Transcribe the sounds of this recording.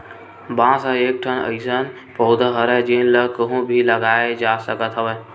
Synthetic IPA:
bãːsãeːk̚ʈʰənə̰ɪsən | pəʊd̪əɦəɾəɦd͡ʒenləkəɦũbʱiləɡaːed͡ʒaːsəkət̪ɦəʋə

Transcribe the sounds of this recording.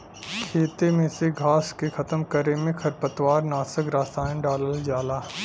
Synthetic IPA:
kʰeːt̪emẽseɡʱaːskekʰɐt̪əmkəɾemẽkʰɐɾpət̪waːɾnaːsəkɾaːt̪aːɪ̃ɖaːləld͡ʒaːlaː

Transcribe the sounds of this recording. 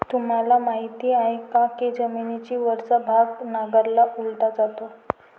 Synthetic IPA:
t̪um̤alamaɦit̪iːaɦekãked͡zəminit͡ɕiːʋəɾt͡səbʱaɡnaɡəɾlaʔult̪ad͡zat̪o

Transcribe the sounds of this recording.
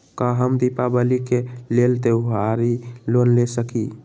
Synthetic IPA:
kaɦəmd̪ipabəlikelelt̪euɦaɾilonlesəki

